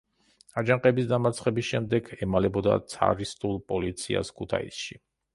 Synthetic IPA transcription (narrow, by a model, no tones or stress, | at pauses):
ad͡ʒaŋqʼɛbisd̪amaɾt̪sʰχɛbisʃɛmd̪ɛɡʰɛmalɛbɔd̪a̰t̪sʰa̰ɾist̪ʼulˠpʼɔlit̪sʰia̰skʰut̪ʰa̰ḭsʃi